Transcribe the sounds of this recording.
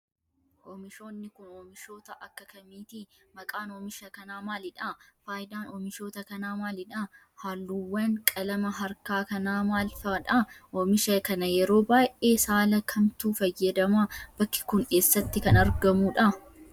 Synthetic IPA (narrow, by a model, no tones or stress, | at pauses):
ʔoːmɪʃo̞ːnːɪkʊnoːmɪʃo̞ːt̪ɐʔɐkːɐkɐmiːt̪imɐkʼaːnoːmɪʃɐkɐnaːmaːlɪᶑafaːjɪd̪aːnoːmɪʃo̞ːt̪ɐkɐnaːmaːlɪᶑa | haːlːuːwːɐŋkʼɐlɐmɐɦɐɾkaːkɐnaːmaːlfɐᶑɐoːmɪʃɐkɐnɐjɛɾo̞ːbaːjʔeːsaːlɐkʰɐmt̪uːfɐjːɐd̪ɐmaːb̥ɐkːɪ̥kʊne̞ːsːɐt̪ːɪkɐnɐɾɡɐmuːᶑɐ